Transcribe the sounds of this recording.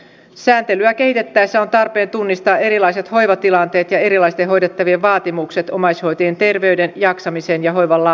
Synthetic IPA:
sæːnt̪elyæke̞hit̪e̞t̪ːæjsːæo̞nt̪ɑrpe̞ːnt̪unːist̪ɑːe̞ɾilɑjse̞t̪ho̞jʋɑt̪ilɑnt̪e̞ːt̪jɑe̞ɾilɑist̪eɦo̞jdet̪ːɑʋieʋɑːt̪imukse̞t̪o̞mɑjsho̞jt̪ient̪e̞rʋe̞ydenjɑksɑmisenjɑɦo̞jʋɑlːɑ

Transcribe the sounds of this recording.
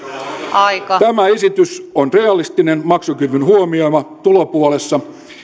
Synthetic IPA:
ɑikɑt̪æmæesit̪ysonre̞ɑlist̪inenmɑksukyrʋynhuomiomɑt̪ulopuole̞sːɑ

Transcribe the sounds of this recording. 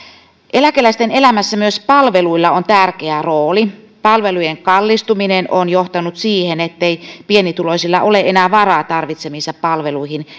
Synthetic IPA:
ʔe̞lækelæist̪ene̞læmæsːæmyøspɑlʋeluilːɑont̪ærkeæroːli | pɑlʋelujeŋkɑlːist̪uminenʔonjoht̪ɑnut̪siːhenet̪ːeipienit̪ulosilːɑʔoleʔenæːʋɑrɑːt̪ɑrʋit̪semisːɑppɑlʋeluihin

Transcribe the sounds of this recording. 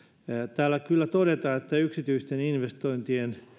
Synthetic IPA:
t̪æːlːækylːæt̪odet̪ɑːet̪ːæyksit̪yist̪eninʋest̪oint̪ien

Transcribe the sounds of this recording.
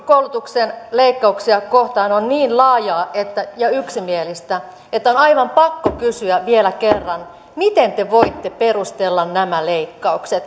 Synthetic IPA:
koulut̪uksenleikːɑuksiɑkoht̪ɑːnonniːnlɑːjɑːet̪ːæjɑyksimielist̪æ | et̪ːæonɑiʋɑmpɑkːokysyæʋielækerːɑn | mit̪ent̪eʋoit̪ːeperust̪elːɑnnæmæleikːɑukset̪

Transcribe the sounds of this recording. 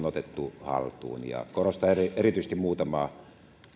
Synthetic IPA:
not̪et̪ːuhɑ̰lt̪ṵːnjɑ̰korost̪ɑerierit̪yˑsest̪imuːt̪ɑmɑː

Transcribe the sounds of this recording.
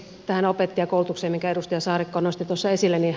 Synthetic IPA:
t̪æhænopet̪ːiɑkoulut̪ukseːmiŋkæerust̪ujɑsɑːrikːoːnost̪it̪uosːɑesilːæni

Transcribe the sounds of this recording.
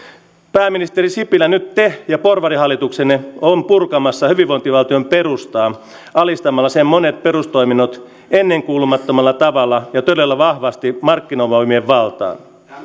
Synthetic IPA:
pæːmːinist̪erisipilænyt̪t̪ehjɑporʋɑrihɑlːit̪ukseneompurkɑmɑsːɑhyʋiʋoint̪iʋɑlt̪iomperust̪ɑː | ɑlist̪ɑmɑlːɑsemmonet̪̚peɾust̪o̞iminːot̪ | enːeŋkuːlumɑt̪ːomɑlːɑt̪ɑʋɑlːɑjɑt̪ølelːæʋɑhʋɑst̪imɑrkːinomɑmieʋʋɑlt̪ɑ̰ːn

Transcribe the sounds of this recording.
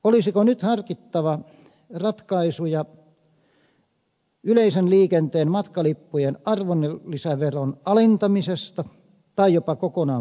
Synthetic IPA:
olisikonyt̪hɑrkit̪ːɑʋɑ | rɑt̪kɑisujɑ | yleisenliːkent̪eːnmɑt̪kɑlipːujenʔɑrʋonːelːisæʋeronɑlint̪ɑmisest̪ɑ | t̪ɑijopɑkokonɑː

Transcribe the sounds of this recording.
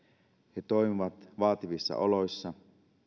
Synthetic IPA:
het̪o̞imiʋɑt̪ʋɑːt̪iʋisːɑ̰ʔo̞lo̞jsːɑ

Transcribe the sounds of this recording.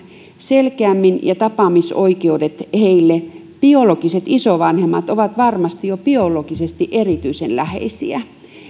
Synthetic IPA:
selkeæmːinjɑt̪ɑpɑmisoikeudet̪heilːe | piolokiset̪isoʋɑnhemːɑt̪oʋɑt̪ʋɑrmɑst̪ijopiolokisest̪iʔerit̪yisenlæhḛisḭæ

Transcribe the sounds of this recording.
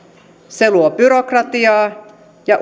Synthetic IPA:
seluobyɾokrɑt̪iɑː | jɑʔ

